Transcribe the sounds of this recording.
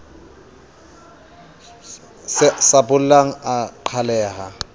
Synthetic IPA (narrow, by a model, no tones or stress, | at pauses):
ssabʊl̩laŋ̩aǃʰalɛːɦa